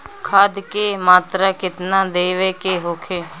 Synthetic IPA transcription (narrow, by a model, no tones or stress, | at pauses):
kʰaːd̪keːmaːt̪ɾaːkɪt̪nãːd̪eːʋeːkeːɦoːkʰeː